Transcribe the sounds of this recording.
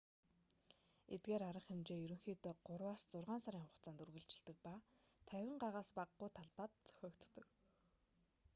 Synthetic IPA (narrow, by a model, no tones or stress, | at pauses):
et̪̚ɡeːɾaɾə̆χemt͡ɕeːjɵɾɵ̆ŋxiːt̪eːɢ̥ʊrwaːst͡sʊrʁaːnsaɾʲiːŋχʊχt͡saːnt̪urɣɘ̆ɬt͡ɕɪ̥̆ɮt̪ɘ̆k̚paː | t̪ʰæwʲɪ̆ɴɢaʁaːspaqːʊjt̪ʰaɮpaːt̪t͡sœ̥xʲɔːkt̪ːə̆k